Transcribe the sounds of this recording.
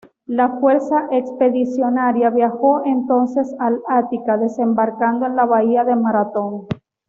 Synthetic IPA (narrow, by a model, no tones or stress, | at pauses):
lafwe̞ɾsaʔekspe̞ðisjo̞naɾjaβjaxo̞ʔe̞nt̪o̞nse̞salat̪ikaðe̞se̞mbaɾkand̪oe̞nlaβaiaðe̞maɾat̪o̞ŋ